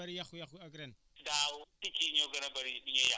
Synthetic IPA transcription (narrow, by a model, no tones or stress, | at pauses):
aɾijaxujaxuaɡɾen | dawutikiɲoɡɐnabaɾiɗiɲaja